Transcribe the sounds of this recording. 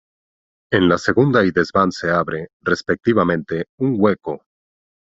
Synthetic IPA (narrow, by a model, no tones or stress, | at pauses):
enlase̞ɣund̪aiðezβanseaβɾe̞ | respek̚t̪iβamẽnt̪e̞uŋɡweko